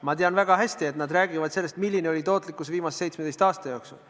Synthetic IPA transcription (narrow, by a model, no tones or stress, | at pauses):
mɑt̪eɑnvæɡ̥ɑɦæsʲt̪ie̞t̪nɑd̪ræːɡ̥ivɑd̪̥selːest̪milːineo̞lʲit̪o̞ːt̪ˑlikːˑusviːmɑsese̞jt̪smed̪̥e̞st̪ɑːst̪ɑjo̞ːksṵl